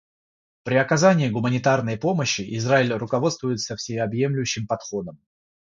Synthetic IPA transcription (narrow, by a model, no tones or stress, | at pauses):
pɾʲɪɐkɐzanʲɪːɡʊmənʲɪt̪arnəjpo̞məɕːɪʔɪzraɪlʲrʊkɐvo̞t̪st̪vʊjɪt̪səfsʲɪɐbje̞mlʲʊjɕːɪmpɐt̪xo̞d̪əm